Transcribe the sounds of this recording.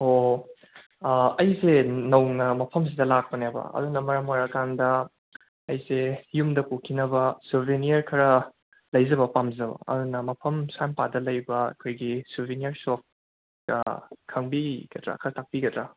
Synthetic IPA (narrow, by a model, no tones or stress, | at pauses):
o | ɐjsenɐwnɐmɐpʰɐmsidɐlak̚pɐnebɐ̰ɐ̰dunɐmɐɾɐmwaɾɐkandɐː | jsejumdɐkukʰinɐbɐsubʱinijɐɾkʰɐɾɐ | lɐjzɐbɐpamzɐbɐ̰ɐ̰dunɐmɐpʰɐmsampadɐlɐjbɐɐ̰kʰojɡisubʱinijɐɾsop̚ | ɡ̥ɐ̰kʰɐŋbiɡɐtɾa̰kʰɐɾɐtʰak̚pikɐtɾa